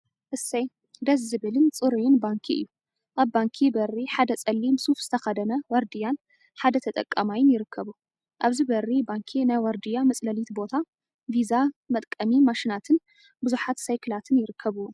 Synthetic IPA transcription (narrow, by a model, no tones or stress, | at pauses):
ʔɨsɐj | d̪ɐsːɨβɨlɨnt͡sʼɨɾujɪnbaŋkʰiʔɨ̰jːu | ʔaβbaŋkʰibɐriħad̪ɐt͡sʼɐlːimsufz̥ɨ̥t̪ʰɐxɐd̪ɐnɐwɔɾd̪ijan | ħad̪ɐt̪ʰɐt̪ʼɐ̰kʼːamajɪnjɪɾɨkʰːɐβu | ʔaβzibɐrːibaŋkʰinajwɐɾd̪ijamɐt͡sʼlɐlit̪bo̞t̪ʰa | vizamɐt̪ʼkʼɐmimaʃinat̪ʰɨn | bɨzuħat̪sajkʰɨlat̪ʰɨnjɪɾɨkʰːɐβɨwun